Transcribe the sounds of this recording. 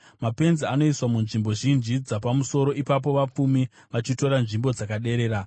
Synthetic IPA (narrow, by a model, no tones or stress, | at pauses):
mape̞nziano̞iswamunʐimbo̞ʒind͡ʒid͡zapamuso̞ɾo̞ʔipap̬o̞ʋap͡fumi | ʋat͡ʃito̞ɾanʐimbo̞d͡zakaɗe̞ɾe̞ːɾa